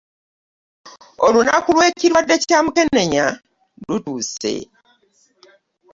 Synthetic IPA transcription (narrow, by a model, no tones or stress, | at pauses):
olunakulwe̞ciɾwadːe̞citamuke̞ne̞ɲa | lutuːse̞̰